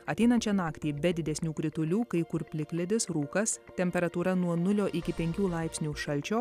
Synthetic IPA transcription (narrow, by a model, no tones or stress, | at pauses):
ɐt̪ʲɛɪnɐnʲt͡ʃʲɛnɑːkt̪ʲiːbʲɛd̪ʲɪd̪ʲɛsʲnʲuːkɾʲɪt̪ʊlʲuːkɐɪkʊɾpʲlʲɪklʲɛd̪ʲɪsɾuːkɐst̪ʲɛmʲpʲɛɾɐt̪uːɾɐnuɔnʊlʲoːʔɪkʲɪpʲɛŋʲkʲuːlˠɐɪpʲsʲnʲuːʃɐlʲˑt͡ʃʲoː